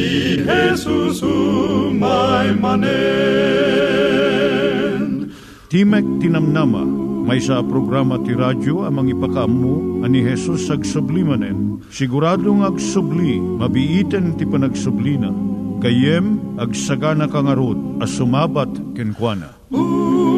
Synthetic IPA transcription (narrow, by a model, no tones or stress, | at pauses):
hɛsus | majmɐnɛ | t̪imɛk̚t̪inɐmnamɐ̰mɐjsapɾoɡɾamɐt̪iɾad͡ʒoɐmɐŋipɐkɐɐmːuɐniɦɛsusɐɡsʊblimɐnɛn | sɪɡʊɾaːd̪oŋɐɡsʊbli | mɐbiʔit̪ɛnt̪ipɐnɐɡsʊblinɐkɐjɛmɐɡsɐɡanɐkɐŋɐɾod̪̚ɐsʊmaːbat̪kɛnkwanɐ̰